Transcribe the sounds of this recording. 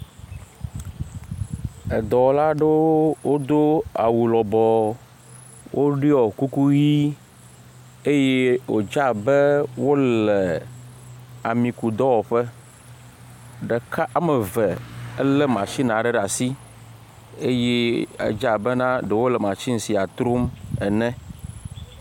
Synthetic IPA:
ə˨d̪ɔ˨wla˦ɖe˦wo˦d̪o˦a̰˨wu˨lɔ˨bɔ˨ | wʔo˦ɖi˦ɔ˨ku˦ku˦ji˦ | e˦je˦wo̰˨d͡ʒa˦bɛ˦wo˦lɛ˨ | a˨mĩ˨ku˨d̪ɔ˦wɔ˨ɸɛ˦ | ɖe˨ka˦ʔa˦mɛ˨vɛ˨ɛ˦lɛ˦mã˨t͡ʃi˦nã˨ɖɛ˦ɖa˨si˦ | e˦je˦a̰˨d͡ʒa˦˨bɛ˦nã˦ɖe˨wo˦lɛ˨mã˨t͡ɕi˦ŋ̩˨˦si˨a˨t̪ɾo˦mɛ˨nɛ̃˦

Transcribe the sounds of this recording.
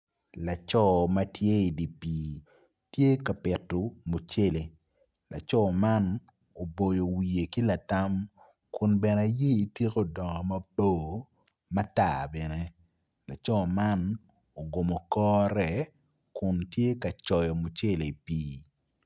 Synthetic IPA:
la˨t͡ʃɔ˦ma˦tje˦i˨di˨piː˨ | tje˦ka˨pɪ˨tːo˨mo˨t͡ʃe˦le˨ | la̰˨t͡ʃɔ˦ma˦n | o˨bo˨jo˨wi˨e˨ki˦la˨ta˦m | kʊ˨nbɛ˨na˨je˦i˨tje˦ko˦dɔ˨ŋɔ˨ma˦bo˦˨ | ma˦ta̰˨bɛ˨ne˦ | la˨t͡ʃɔ˦ma˦n | o˨ɡo˨mɔ˨kɔː˦ɾɛ˨ | kʊ˨ntje˦ka˨t͡ʃɔ˨jɔ˨mo˨t͡ʃe˦le˨i˨piː˨

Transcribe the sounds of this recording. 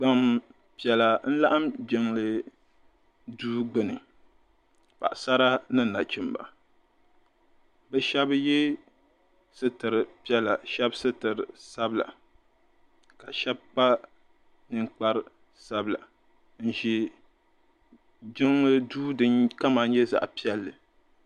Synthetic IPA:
ɡ͡ba˨m | pi˨ɛ˨la˨n̩˦la˦ʔa˦md͡ʒɪ˨ŋlɨ˦ | duː˦ɡ͡bɨ˨nɨ˨ | pa̰˨ʔsa˦ɾa˦nɨ˦˨na˨t͡ʃi˦mba̰˨ | bɛ˦ʃɛ˦bjɛ˦ | sɨ˦tɨ˨ɾɨ˨pi˦ɛ˦la˨ʃɛ˦bsɨ˦tɨ˨ɾɨ˨sa˦bla̰˨ | ka˨ʃɛ˦b̚k͡pa˦ | nɨ˨ŋk͡pa˦ɾ | sa˦bla̰˨ | n̩˨ʒi˨ | d͡ʒɪ˦ŋlɨ˦duː˦dɨ˦ɲka˦ma˨ɲɛ˦za̰˨ʔpi˦ɛ˦lːɨ˨

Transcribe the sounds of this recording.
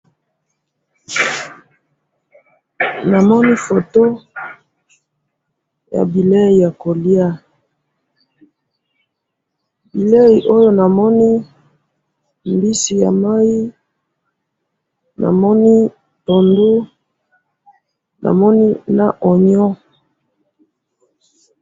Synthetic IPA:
na˨mɔ˦ni˦fo˨to˦ | ja̰˨bi˨le˦i˨ja˨ko˨li˦a˦ | bi˨le˦i˨ʔo˦jo˦na˨mɔ˦ni˦ | mbi˦si˨ja̰˨ma˦ji˦ | na̰˨mɔ˦ni˦ | to˨ndu˦ | na̰˨mɔ˦ni˦na˨ʔɔ˨ɲɔ˦

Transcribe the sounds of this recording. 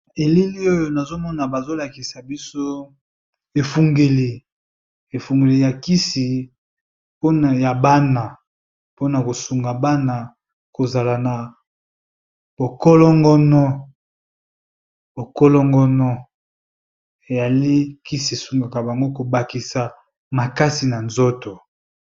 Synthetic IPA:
e˨li˦li˦o˦jo˦na˨zo˦mɔ˦na˨ba˨zo˦la˨ki˨sa˨bi˦so˦ | e˨fu˨ŋɡe˨li˨ | e˨fu˨ŋɡe˨li˨ja˨ki˦si˨ | po˦na˨ja˨ba˦na˨ | po˦na˨ko˨su˨ŋɡa˨ba˦na˨ | ko˨za˨la˨na˨ | b̥o˨kɔ˦lɔ˦ŋɡɔ˦nɔ˦ | bo˨kɔ˦lɔ˦ŋɡɔ˦nɔ˦ | e˨ja˨li˦ki˦si˨e˨su˨ŋɡa˨ka˨ba˨ŋɡo˦ko˨ba˨ki˨sa˨ | ma˨ka˦si˨na˨nzo˦to˨

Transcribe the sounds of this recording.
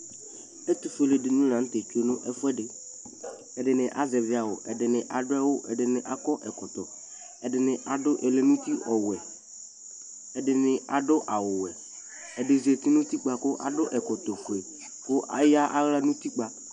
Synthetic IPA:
e˦t̪u˨fe˨le˨dɪ˨nʊ̃˦lã˨n̩˦t̪e˨t͡ʃu˦e˦nʊ̃˦ʔɛ˦fɛ˦ɖɪ˨ | ɛ˨ɖɪ˨nɪ̃˨ʔa˨zɛ˨vɪ˨˦a˨wʊ˨ʔɛ˨ɖɪ˨nɪ̃˨ʔa˨ɖʊ˦ɛ˦wʊ˦ʔɛ̰˨ɖɪ˨nɪ̃˨ʔa˨kɔ˦ʔɛ˨kɔ˨t̪ɔ˨ | ɛ˨dɪ˨nɪ̃˨ʔa˨ɖʊ˦ʔe˨le˨nũ˦t̪i˦ʔɔ˨wɛ˨ | ɛ˨ɖɪ˨nɪ̃˨a˨ɖʊ˦ʔa˨wʊ˨wɛ˨ | ɛ˨ɖɪ˨zi˨e˨t̪i˦nʊ̃˦t̪i˦k͡pa˨kʊ˦ʔa̰˨ɖʊ˦ʔɛ˨kɔ˨t̪ɔ˨ko˨e˨ | kʊ˦ʔa˨˦ja˦ʔa˦ɣla˦nʊ̃˦t̪i˦k͡pa˦

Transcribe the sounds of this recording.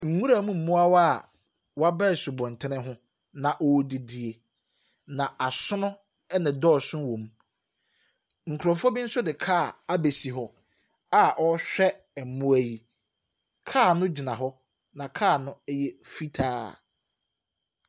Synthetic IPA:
ŋ̩˨˦ŋũ˦ɾa˨mũ˦m̩˨mũ˦a˦wa˦˨ | wa˦bɛ˦˨sʊ˨bɔ̃˨n˨tʰɪ˦nɪ̃˦ɦʊ̃˦ | nã˨ʔɔ˦dɪ˨di˨e˨ | nã˨a˨sʊ˦nʊ̃˦ | nɪ̃˨dɔː˦˨sʊ̃˦n˦wõ˨m | ŋ̩˨kʰʊ˨ɾɔ˨fɔ˦bɪ˦n̩˦sʊ˦dɪ˨kʰaː˦˨a˦be˨si˨ɦɔ˨ | a˦ʔɔ˦ɕᶣɛ˦ | ɛ˨m˨mũ˦˨æ˨ji˨ | kʰaː˦˨nʊ̃˦d͡ʑi˨nã˨ɦɔ˦ | nã˨kʰaː˦˨nʊ̃˦jɛ˦fi˦tʰaː˦

